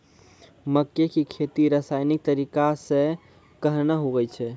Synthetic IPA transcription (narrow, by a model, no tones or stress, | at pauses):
məkːekikʰet̪iɾasajnik̚t̪əɾikasẽ | kəɦnaɦoɡəjt͡ʃʰɛ